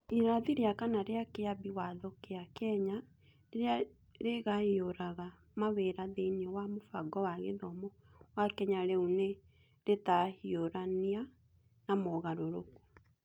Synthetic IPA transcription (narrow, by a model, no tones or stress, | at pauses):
iɾaðiɾeakanaɾeakeabiwaðokeakɛɲa | eɾea | ɾeɣaioɾaɣa | maweɾaðenɔwamofaɡɔwaɣeðɔmɔ | wakɛɲaɾeune | ɾetahioɾania | namɔɣaɾoɾoku̥